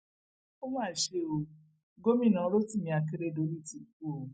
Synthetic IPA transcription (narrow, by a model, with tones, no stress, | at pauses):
o˦mãː˦˨ʃe˧o˧ | ɡo˦mĩ˦˨nã˨˦ɾo˦ti˦˨ĩ˧a˧ke˧ɾe˧˨do˨˦ɾi˦˨ti˨˧˨ku˦o˨˦